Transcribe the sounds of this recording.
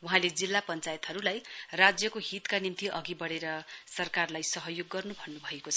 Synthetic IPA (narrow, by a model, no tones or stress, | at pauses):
uɦãled͡zilːapʌnt͡sajet̪ɦʌɾulajrad͡zjʌkoɦit̪kanimt̪iʔʌɡibʌɽeɾʌsʌrkarlajsʌɦʌjoɡːʌrnubʱʌnnːubʱʌekot͡sʰʌ̥